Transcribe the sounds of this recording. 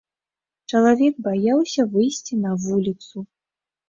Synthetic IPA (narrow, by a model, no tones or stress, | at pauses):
t͡ʂɐlˠavʲɛk̚bajawsʲɐvɨjsʲt͡sʲinɐvulʲit̪su